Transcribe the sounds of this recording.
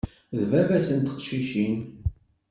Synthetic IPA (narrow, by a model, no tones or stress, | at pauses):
ðvævæsənt̪ə̥qʃiʃin